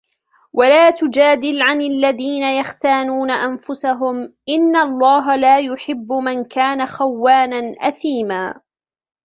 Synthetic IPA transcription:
wʔalaːt̪ʊd͡ʒaːd̪ɪlʕanalːaðiːnajaxt̪aːnuːnaʔanfʊsaɦʊmʔɪnːalˤːɑːɦalaːjʊħɪbːʊmankaːnaxawːaːnanʔaθiːmaː

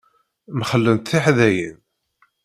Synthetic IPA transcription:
məχəlːənt̪θiħðæjən

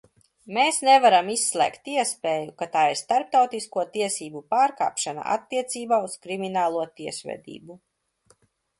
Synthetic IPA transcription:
meːsnɛvaɾamisːlˠɛ̰ːkt̪iɛspeːjukat̪aːiɾst̪aɾp̚t̪awt̪iskuɔt̪iɛsiːbupaːɾka̰ːpʃana̰ʔa̰t̪ːiɛt̪siːbaːuskɾiminaːlˠuɔt̪iɛsvɛ̰d̪ḭːbu

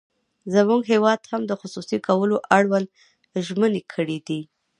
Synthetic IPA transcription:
zəmuɡɦewɑd̪hamd̪əxʊsusikʰawəloʔaɽwand̪ | ʒmənekʰəɽid̪i

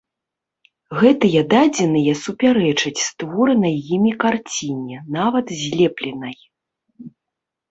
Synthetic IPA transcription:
ɣɛt̪ɨjɐd̪ad͡zʲɛnɨjɐsupʲaɾɛt͡ʂɨt͡sʲst̪vɔɾɨnɐjjimʲikart͡sʲinʲɛnavɐt̪zʲlʲɛplʲɛnɐj

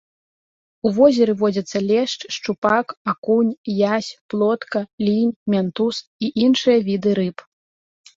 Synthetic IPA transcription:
uvɔzʲɛɾɨvɔd͡zʲɐt̪sːɐlʲɛʂt͡ʂʂt͡ʂupakakunʲjasʲplˠɔt̪kɐlʲinʲmʲant̪usiʔinʂɨjɐvʲid̪ɨɾɨp

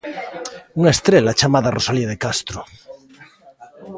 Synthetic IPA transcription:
uŋaest̪ɾelat͡ʃamaðarosaliaðekast̪ɾo

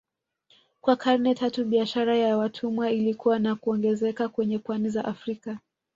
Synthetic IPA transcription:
kwakʰaɾnɛtatuɓiaʃaɾajawatʰumwailikuwanakuɔŋɡɛzɛkakwɛɲɛpwanizaʔafɾika

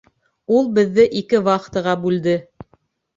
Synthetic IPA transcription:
ulˠbɘ̆ðːɘʔikɘwɑqt̪ɤ̆ʁɑbʉld̪ɘ

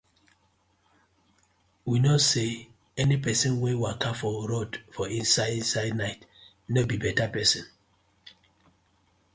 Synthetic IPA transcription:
winose | ɛnipɛsĩnwɛwiakafɔɾodfɔĩnsaɪĩnsaɪdnaɪt | nobibɛtapɛsɔ̃n

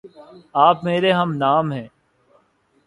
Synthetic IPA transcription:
aːpmeːɾeɦɐmnaːmɦɛ̃ː

